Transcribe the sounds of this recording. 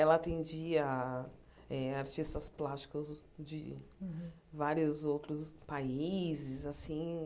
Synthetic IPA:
ɛlɐːt̪ẽd͡ʒiɐ | ɛaɾt͡ʃist̪ɐsplast͡ʃi̥kʊz | d͡ʒɪ | vaɾiʊzowt̪ɾʊspaizɪzasĩ

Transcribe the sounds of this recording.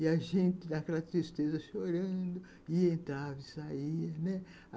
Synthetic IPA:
ɪaʒẽnt̪ɪnakɛlɐt̪ɾist̪ezɐʃoɾɐ̃d̪ʊ | iẽnt̪ɾavɐɪsaiɐnɛ

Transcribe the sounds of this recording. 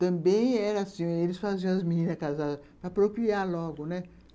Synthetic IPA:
t̪ɐ̃bẽj̃ɛɾɐasĩelɪsfazĩɐ̃ɐzminĩnɐkazad̪ɐpɾɐpɾokɾiaɾlɔɡʊnɛ

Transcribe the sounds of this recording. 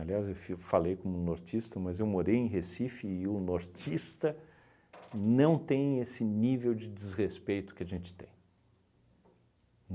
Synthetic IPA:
aliazewfifalejkõmʊnoɾt͡ʃist̪ɐmɐzewmoɾejẽj̃ɦesifɪːʊnoɾt͡ʃist̪ɐ | nɐ̃w̃t̪ẽj̃esɪnivewd͡ʒɪd͡ʒɪzʁespejt̪ʊ̥kɪaʒẽnt͡ʃɪ̥t̪ḛ̃j̃

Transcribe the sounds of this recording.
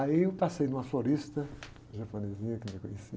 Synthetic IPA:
aiewt̪asɐj̃d̪ũmɐfoɾiʃt̪ɐ | ʒɐponezĩɲɐkmekuɲesi

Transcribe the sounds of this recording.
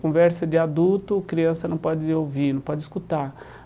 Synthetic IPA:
kõvɛɾsɐd͡ʒɪad̪uwt̪ʊkɾiɐ̃sɐnɐ̃w̃pɔd͡ʒɪowvinɐ̃w̃pɔd͡ʒɪiskut̪aɾ

